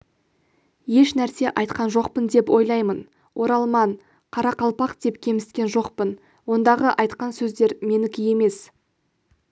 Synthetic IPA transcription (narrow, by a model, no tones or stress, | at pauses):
je̞ʃnæɾse̞ʔɑjt̪qɑnʒo̞qpənd̪e̞pwo̞jlˠɑjmən | wʔo̞ɾɑlˠmɑɴ | qʰɑɾɑqɑlˠpɑqd̪̥e̞pkʲʰe̞mɪst̪kʲe̞nʒo̞qpən | wo̞nd̪ɑʁəʔɑjt̪qɑnsɵzd̪e̞ɾme̞nɪkʲɪje̞me̞s